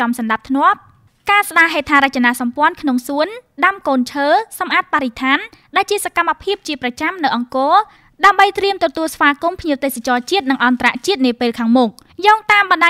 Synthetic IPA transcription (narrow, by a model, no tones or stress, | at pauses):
ɑmsɑnɗap̚t̪ʰnŏəp̚ | kaːsɗaːɦeːt̪ʰaːɾɨc̚t͡ɕanaːsɑmpŏənkʰnoŋsuənɗamkoːnt͡ɕʰəːsɑmʔaːt̪̚paɾit̪ʰaːn | ɗaɛlt͡ɕiəsakamːapʰiəp̚t͡ɕiəprɑt͡ɕamnɨwʔɑŋkɔː | ɗaəmɓəjt̪riəmt̪ɔt̪uəlsʋaːkumpʰɲiəwt̪eːsat͡ɕɑːt͡ɕiət̪̚nɨŋʔɑnt̪ara̰ʔt͡ɕiət̪̚niəpeːlkʰaːŋmʊk̚ | jɔːŋ̚t̪aːmɓɑnɗa